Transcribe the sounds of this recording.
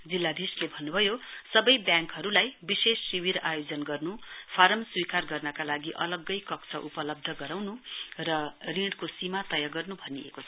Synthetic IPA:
d͡zilːad̪ʱislebʱʌnːubʱʌjosʌbʌjbjãŋkɦʌɾulajbisesːiwiɾajod͡zʌnɡʌrnupʰaɾʌmswikarɡʌrnʌkalaɡiʔʌ̰lʌɡːʌjkʌkt͡sʰʌʔupʌlʌb̚d̪ʱʌɡʌɾawnurʌriɽkosimat̪ʌjaɡʌrnubʱʌniḛkot͡sʰʌ

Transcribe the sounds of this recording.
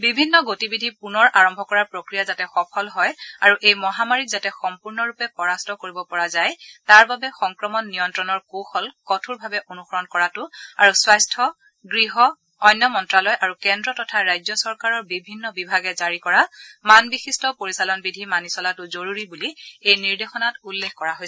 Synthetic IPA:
bibʱinːɔɡotibidʱipunɔɹʔaɹɔmbʱɔkɔɹapɹokɹijazatɛxɔpʰɔlɦɔjaɹuʔejmɔɦamaɹizatɛxɔmpuɹnɔɹupɛpɔɹastɔkoɹibɔpɔɹazajtaɹbabɛxɔŋkɹɔmɔnːijɔntɹɔnɔɹkoxɔlkɔtʰuɹbʱabɛʔonuxɔɹɔnkɔɹatʊaɹuswajstʰɔ | ɡɹiɦɔː | jnːɔmɔntɹalɔjʔaɹukɛndɹɔtɔtʰaɹajzjɔsɔɹkaɹɔɹbibʱinːɔbibʱaɡɛzaɹikɔɹamanbixistɔpoɹisalɔnbidʱimanisɔlatʊzoɹuɹibuliejniɹdexɔnatulːexkɔɹaɦoj

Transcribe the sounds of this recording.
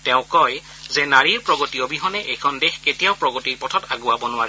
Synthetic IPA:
tɛʊ̃kɔj | zɛnaɹiɹpɹɔɡɔtijɔbiɦɔnɛʔejkʰɔndexketijaʊpɹɔɡɔtiɹpɔtʰɔtaɡʊabɔnʊwaɹɛ

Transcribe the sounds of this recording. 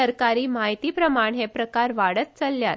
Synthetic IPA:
əɾkaɾiːmaɦit̪iːpɾəmaɳɦepɾəkaɾʋaɽət̪̚t͡səlːjat̪

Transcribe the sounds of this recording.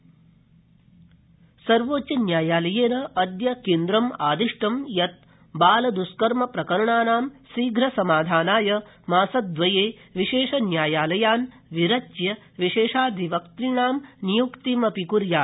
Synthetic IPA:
sɐɾʋoːt͡ʃɐnjaːjaːlɐjeːnɐʔɐd̪jɐkeːnd̪ɾɐmaːd̪iʂʈɐmjɐt̪̚ | baːlɐd̪uskɐɾmɐpɾɐkɐɾɐɳaːnaːmsiːɡɾɐsɐmaːd̪ʱaːnaːjɐ | maːsɐd̪̚ʋɐjeːʋiʃeːʂɐnjaːjaːlɐjaːn | ʋiɾɐt͡ʃjɐ | ʋiʃeːʂaːd̪ʱiʋɐkt̪ɾiɳaːmnijukt̪imɐpikuɾjaː

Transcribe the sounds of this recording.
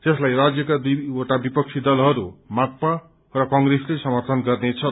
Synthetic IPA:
t̪eslajrad͡zjʌkad̪ioʈabipʌk̚t͡sʰid̪ʌlɦʌɾumak̚pa | rʌkʌŋɡreslesʌmʌrt̪ʰʌnɡʌrnet͡sʰʌ

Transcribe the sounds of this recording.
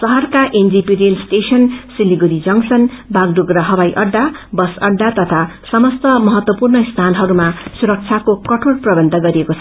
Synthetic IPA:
sʌɦʌrkaʔend͡zipiɾelsʈesʌnsiliɡuɾid͡zʌŋsʌnbaɡ̚ɖuɡrʌɦʌbajʔʌɖːabʌsʌɖːat̪ʌt̪ʰasʌmʌst̪ʌmʌɦʌt̪wʌpurnʌst̪ʰanɦʌɾumasuɾʌk̚t͡sʰakokʌʈʰoɽprʌbʌnt̪ʌɡʌɾiekot͡sʰʌ

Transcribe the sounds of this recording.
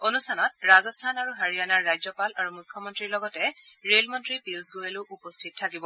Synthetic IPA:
onustʰanɔt̚ɹazɔstʰanaɹuɦaɹijanaɹːajzɔpalaɹumujkʰːɔmɔntɹiɹlɔɡɔtɛɹelmɔntɹipiuzɡojelʊʔupɔstʰit̚tʰːakibɔ

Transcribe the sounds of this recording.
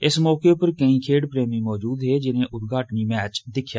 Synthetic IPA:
ɪsmɔːkeːpəɾkəĩːkʰeːɖpɾeːmĩːmɔːd͡ʒuːd̪ɦeːd͡ʒɪnẽːʔʊt̪ɡʱaːʈəniːmɛːt͡ʃd̪ɪkʰjaː

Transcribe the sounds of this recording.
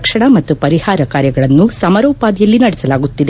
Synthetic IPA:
kʂɐɳɐmɐt̪ːupɐɾihaːɾɐkaːɾjɐɡɐɭɐnːusɐmɐɾoːpaːd̪jɐlːinɐɽɛsɐlaːɡut̪ːid̪e

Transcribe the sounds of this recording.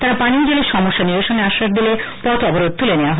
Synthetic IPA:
t̪aɾapaniod͡ʑeleʃɔmoʃːanibaʃoneaʃːaʃd̪ilepɔt̪ɔboɾod̪̚t̪uleneaɦɔ

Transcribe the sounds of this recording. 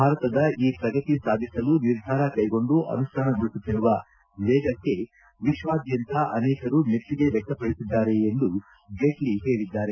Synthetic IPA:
bʱaːɾɐt̪ɐd̪ɐiːpɾɐɡɐt̪isaːd̪ʱisɐluniɾd̪ʱaːɾɐkɐjɡo̞ɳɖuʔɐ̰nusʈʰaːnɐɡuɭusut̪ːiɾuʋɐ | ʋɛːɡɐkːe̞ | ʋiʃʋaːd̪jɐnt̪ʰɐʔɐnɛːkɐɾumetːiɡe̞ʋjɛk̚t̪ɐpɐɽisid̪ːaːɾe̞ːnd̪u | ɡeːʈliɦe̞ːɽid̪ːaːɾe̞

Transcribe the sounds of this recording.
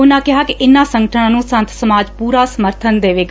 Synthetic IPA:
ʊnãːkɪɦaːkɪʔɪnːãːsə̃ŋɡəʈʰəãːnũːsə̃nt̪ʰsəmaːd͡ʒpuːɾaːsəməɾt̪ʰənd̪eːʋeːɡ

